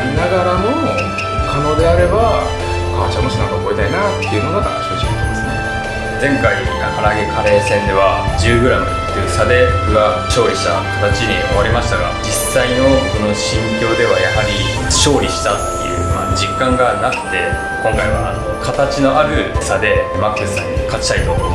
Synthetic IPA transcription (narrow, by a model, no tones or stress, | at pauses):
naɡaɾamo̞ | kʰano̞ːd̪e̞aɾe̞ba | aːt͡ɕamoɕinãŋkakoit̪ainat̪ːe̞iɯ̟noɡat̪a̰naɕikoɕikot̪d̪esɨne | d͡zẽ̞ŋkai | nakaɾaɡekʰaɾe̞ːsẽ̞nd̪e̞βad͡ʑɨːɡɯ̟ɾano̰ | t̪ːɯɯsad̪e̞ɡa | ɕo̞ːɾʲiɕi̥t̪a̰kḁt̪at͡ɕiɲioβaɾʲimaɕi̥t̪aɡa̰d͡ʑisːaino̞ko̞no̞ɕĩŋkʲo̞ːd̪e̞β̞ajahaɾʲi | ɕo̞ːɾʲiɕi̥t̪at̪ːḛjɯ̟̰ma̰ːd͡ʑikːãŋɡanakɯ̟̥t̪e̞ | ko̞ŋkaiβa̰a̰nokʰat̪at͡ɕino̞ʔaɾɯ̟sad̪e̞makːɯsɨsã̰ɲːikat͡ɕi̥t̪ait̪o